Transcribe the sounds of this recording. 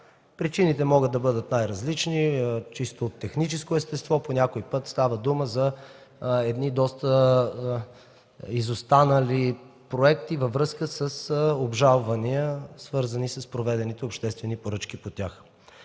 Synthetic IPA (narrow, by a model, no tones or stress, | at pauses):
pɾit͡ʃinit̪ɛmɔɡəd̪̚d̪ɐbɤd̪ət̪najɾɐzlit͡ʃnit͡ʃist̪oːt̪ːɛxnit͡ʃɛskoɛst̪ɛst̪vɔponʲakoipɤt̪st̪avəd̪uməzɐ | ɛd̪nid̪ɔst̪ə | izost̪anəli | pɾoɛkt̪ivɐvɾɤskəsəsobʒalˠvɐniəsvɤɾzɐnisəspɾovɛd̪ɛnit̪ɛopʃt̪ɛst̪vɛnipoɾɤt͡ʃkipot̪ʲax